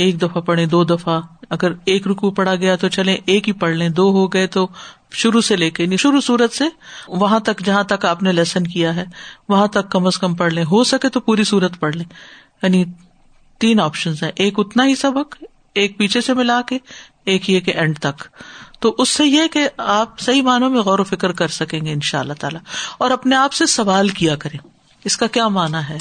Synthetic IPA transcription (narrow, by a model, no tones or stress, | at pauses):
eːk̚d̪ɐfapɐɽ̤ẽd̪oːd̪ɐfaɐɡəɾeːkɾʊkupɐɽaɡɐjat̪ot͡ʃɐlẽʔeːkɦipɐɽ̤lẽd̪oːɦoɡɐet̪o | ʃʊɾuseleːkeniʃʊɾusuːɾət̪seʋɐɦãt̪ɐkd͡ʒɐɦãt̪ɐkaːpnelɛːsənkijaɦɛːʋɐɦãt̪ɐkːɐməskɐmpɐɽlẽɦosɐket̪opuːɾisuːɾət̪pɐɽlẽː | jaːni | t̪iːnɔːpʃənzɦɛ̃ʔeːkʊt̪naɦisɐbək | eːk̚piːt͡ʃʰesemɪlaːke | eːkɦieːkeʔɛ̃ɳɖt̪ɐkt̪oʔʊsːejekeaːp̚sɐɦimaːnõmẽɣɔːɾofɪkəɾkɐɾsɐkẽːŋɡeɪnʃaːlːaɦt̪a̰ːlaɔːɾɐpneaːpsesɐʋaːlkijakɐɾẽː | ɪskakjaːmaːnaɦɛː